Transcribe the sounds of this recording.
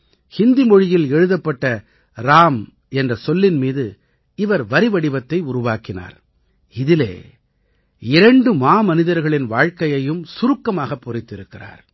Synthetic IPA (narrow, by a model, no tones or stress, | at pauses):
hɪnd̪imɔɻɪjɪlɛɻɯðɐpːɐʈːɐ | ɾaːm | ɛndrɐsɔlːɪnmiːðɯ | ɪʋɐɾʋɐɾɪʋɐɽɪʋɐt̪ːɐɪʊɾʊʋaːkɪna̰ːɾ | ɪðɪlḛː | ɪɾɐɳɖɯmaːmɐnɪðɐɾɣɐɭɪnʋaːɻkɐjɐjɯmsʊɾɯkːɐmaːɣɐpːɔɾɪt̪ːɪɾɯkːɪra̰ːɾ